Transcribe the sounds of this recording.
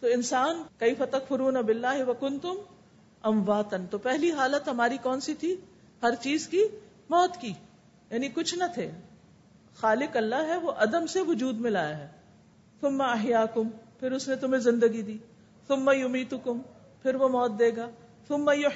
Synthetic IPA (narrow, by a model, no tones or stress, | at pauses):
t̪oːɪnsaːnkɐɪfɐt̪ɐkfɪɾuːnɐbɪlːaːɦɪʋɐkʊnt̪ʊm | ʔɐ̃mʋaːt̪ɐnt̪oːpɛɦliɦaːlət̪ɦɐmaːɾikɔːnsit̪ʰi | hɐɾt͡ʃiːzki | mɔːt̪kiː | jaːnikʊt͡ʃʰnɐt̪ʰeː | xaːlɪkɐlːaɦɦɛʋoʔɐd̪əmseʋʊd͡ʒuːd̪mɪ̃laːjaɦɛː | θʊmːɐɐɦjaːkʊmpʰɪɾʊsnet̪ʊmẽzɪ̃nd̪əɡid̪iː | θʊmːɐjʊmiːt̪ʊkʊm | pʰɪɾʋomɔːt̪̚d̪eːɡaː | θʊmːɐjʊ